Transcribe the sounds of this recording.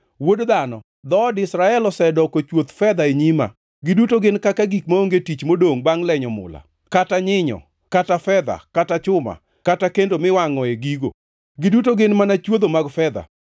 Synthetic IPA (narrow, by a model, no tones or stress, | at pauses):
wodd̪anɔ | d̪ɔdɪsɾaɛlɔsɛdɔkot͡ʃwot̪fɛd̪aeɲima̰ | ɡɪdutoɡɪnkakaɡikmaoŋɡetit͡ʃmodoŋbaŋlɛɲɔmʊ̰la̰ | kataɲɪɲɔ̰ | katafɛd̪a̰katat͡ʃʊma̰ | katakendomɪwaŋɔeɡiɡo̰ | ɡɪdutoɡɪnmanat͡ʃwod̪omaɡfɛd̪a̰